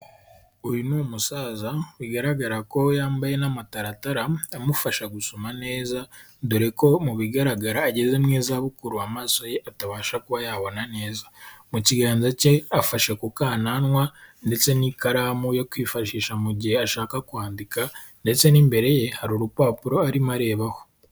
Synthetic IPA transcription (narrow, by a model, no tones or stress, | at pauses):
ujunumusaːzawiɡaɾaɡaɾako̞jaːmbaje̞namataɾataɾaamufaʃaɡusomane̞ːza | duɾeko̞muβiɡaɾaɡaɾaːɟe̞ze̞mŋeːzaβukuɾuamaːso̞jeʔataβaːʃakuβajaβo̞nane̞ːzamuciɡaːnzace̞afaʃekukaːnanwande̞t͡se̞nikaɾaːmujokwiːfaʃiːʃamuɟiheaʃaːkakuhaːndika | nde̞t͡se̞niːmbe̞ɾe̞je̞haɾuɾupaːpuɾo̞aɾimaɾe̞ːβaho̥